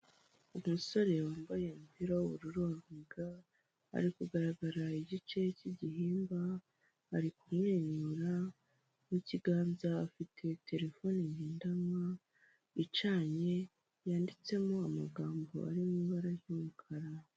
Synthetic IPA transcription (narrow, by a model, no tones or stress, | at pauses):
umuso̞ɾe̞waːmbaje̞mpiɾowuɾuɾoːɾeɡa | a̰ɾikuɡaɾaɡaɾaiɟit͡ʃe̞ciɟihiːmba | haɾikumŋeɲuɾa | niciɡaːnzaafitʰe̞tʰe̞ɾe̞fo̞niɲiːndamwa | it͡ʃaːɲe̞ | jaːndit͡se̞moamaɡaːmbo̞̰a̰ɾimiβaɾajumukʰaɾa